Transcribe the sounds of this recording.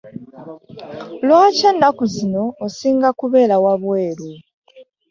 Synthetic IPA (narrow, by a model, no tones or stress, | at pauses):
lwaːce̞ːndakuzino̞ːsiːŋɡakuβe̞ːlawaβwe̞ːlu